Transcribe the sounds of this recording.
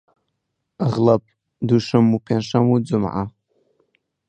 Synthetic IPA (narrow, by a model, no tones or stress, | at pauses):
aʁlapʼ | duʂɨmːupʰanʂamud͡zʊmʕa̰